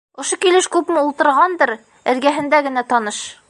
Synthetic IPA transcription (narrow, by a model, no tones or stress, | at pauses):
ŏʃokilɘʃkʉpmɘulˠt̪ɤ̆ɾʁɑnd̪ɤɾ | ɘ̆ɾɡæɦɘ̆nd̪æɡɘ̆næt̪ɒnɤʃ